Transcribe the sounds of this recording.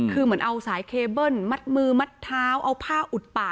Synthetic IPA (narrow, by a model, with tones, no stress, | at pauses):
kʰɯː˧mɨ˩˦ənʔa˧wsaː˩˦jkʰeː˧bɤ˥˩nma˦˥t̪̚mɯː˧ma˦˥t̪ʰːaː˦˥wʔa˧wpʰaː˥˩ʔu˨˩t̪̚paː˨˩